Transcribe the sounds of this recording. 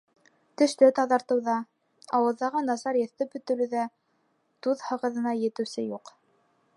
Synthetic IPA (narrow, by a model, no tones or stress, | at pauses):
t̪ɵ̆ʃt̪ɘt̪ɑðɑɾt̪ɤ̆wðɑ | ɑwɤ̆ðːɑʁɤnɑsɑɾjɤ̆θt̪ɘpbɵ̆t̪ɵ̆lɘ̆ðæ | t̪uðhɤ̆ʁɤ̆ðɤ̆nɑjɘ̆t̪ɘ̆wsɘjuq